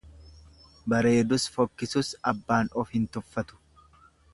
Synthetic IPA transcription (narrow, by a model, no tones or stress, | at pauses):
bɐɾe̞ːd̪ʊsfɔkːɪsʊsɐbːaːnɔfhɪnt̪ʊfːɐt̪ʊ̥